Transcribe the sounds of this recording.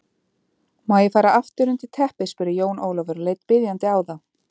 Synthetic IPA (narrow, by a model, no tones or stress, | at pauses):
maːjɪfaːɾaʔaft̪ʏɾʏnt̪ɪt̪ʰɛhpɪspʏɾɪjoːwnʔoːwlavœɾleːjt̪pɪðjant̪ɪaːwða